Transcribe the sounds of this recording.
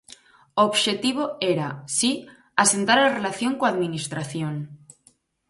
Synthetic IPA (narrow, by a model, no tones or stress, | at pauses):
oːβʃe̞t̪iβ̞oeɾasi | ase̞nt̪aɾalarelaθjo̞ŋkoaðminist̪ɾaθjon